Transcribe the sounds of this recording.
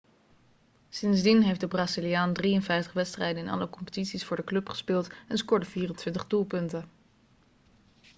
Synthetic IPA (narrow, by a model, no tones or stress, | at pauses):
sɪnzdinɦejfdəbraːzilijaːndriənfɛjftəχʋɛtstrɛjdənɪnɑ̰ləkɔmpə̥titsisfʊːɹdəklɵpχə̥spɪːlˠtɛnskɔɹdəv̥iːrəntʋɪntəχdulˠpɵntə